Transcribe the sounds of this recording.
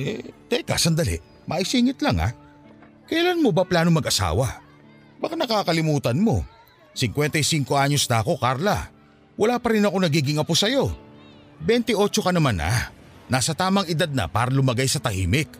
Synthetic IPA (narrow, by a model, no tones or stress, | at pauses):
ʔɛ̰t̪ɛka̰sɐnd̪ɐlɪ̰ʔ | mʔɐʔɪsiːŋɪt̪laŋa̰ | kɐjlanmobɐplaːno̞mɐɡʔɐsa̰ːwɐ | bɐkanɐkaːkɐlɪmuːt̪ɐnmo̞̰ | sɪŋkwɛnt̪ɐjsiŋko̞ʔaɲo̞sd̪aːko̞kaɾlɐ | wɐlaːpɐɾɪnɐko̞nɐɡiːɡɪŋɐpʊsɐjo̞ | bɛnt̪ɪʔo̞ːt͡ʃo̞kɐnɐmana̰ | naːsɐt̪aːmɐŋɪd̪ad̪̚nɐ̰paːɾɐlʊmɐɡajsɐt̪ɐhiːmɪk